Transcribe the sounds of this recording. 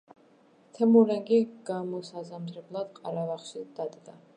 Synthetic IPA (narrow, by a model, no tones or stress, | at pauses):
t̪ʰɛmuɾɛŋɡiɡ̥amɔsazamt̪ʰɾɛblˠad̪̥qʼaɾavaχʃid̪̥ad̪ɡa